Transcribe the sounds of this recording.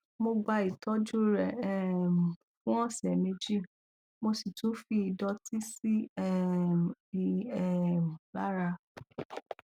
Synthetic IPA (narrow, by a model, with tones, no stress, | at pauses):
mo˧ɡ͡ba˧i˨tɔ˨˦d͡ʒu˦ɾɛ˨ɛ˨m˨ | fũ˦ɔ̃˦˨sɛ˨mẽ˧d͡ʒi˦˨ | mo˧si˨to˨˦fi˧i˧dɔ˧ti˦si˦ɛ˦˨ | ɛ˦˨m˨la˦ɾa˧